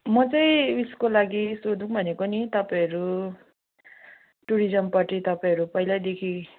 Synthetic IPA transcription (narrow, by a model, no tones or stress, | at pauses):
mʌt͡sʌĩiskolaɡisod̪ũŋbʱʌnekonit̪ʌpaj̃ʌɾu | ʈuɾid͡zʌmpaʈit̪ʌpaj̃ɦʌɾupʌjlad̪ekʰi